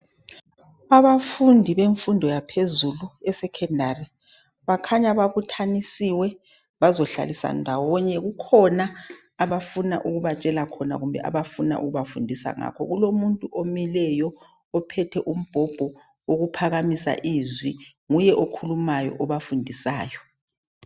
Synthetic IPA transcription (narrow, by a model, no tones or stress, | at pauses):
aβafundʱiβeɱfundʱɔjapʰezuluɛsɛkʰɛndʱarɛ | βakʰaɲaβaβutʰanisiwɛ | βazɔɬa̰lisa̰ndʱawɔɲɛɣukʰɔnaː | βafuna̰ʔuɣuβat͡ʃʼɛlakʰɔna̰ɣumbʱɛ̰ʔa̰βafuna̰ʔuɣuβafundʱisa̰ŋa̰kʰɔɣulomuntʼuʔomilɛjɔː | pʰɛtʰɛʔum̩b̥ʱɔb̥ʱɔ | oɣupʰaɣamisa̰ʔizwi | ŋujɛʔokʰulumajɔ̰ʔɔβafundʱisaːjɔ